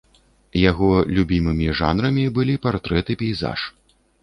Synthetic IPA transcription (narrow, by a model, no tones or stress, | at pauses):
jaɣɔlʲubʲimɨmʲiʐa̰nɾɐmʲibɨlʲipart̪ɾɛt̪ɨpʲɛjza̰ʂ